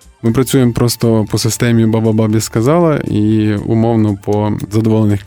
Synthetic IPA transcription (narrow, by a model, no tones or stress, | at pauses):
mɪpɾɐt͡sʲujempɾɔst̪ɔpɔsɪst̪ɛmʲijʊbabababjɐskɐzɑlˠɐʔiṵmɔwnɔpɔzɐd̪ɔʋɔlˠenɪx